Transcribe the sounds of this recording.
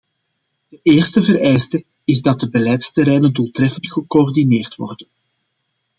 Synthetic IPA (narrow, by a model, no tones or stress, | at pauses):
d̥əʔeːrstəvərɛjstə | ɪzdɑt̚dəbəlɛjtstəɾɛjnənduːlˠtrɛfəntxəkoɔrdineːrtʋɔ̰rdən